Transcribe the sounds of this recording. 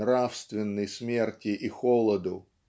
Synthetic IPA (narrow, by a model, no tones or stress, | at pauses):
ɾafst̪vʲɪnːəjsmʲe̞rtʲɪʔixolˠəd̪ʊ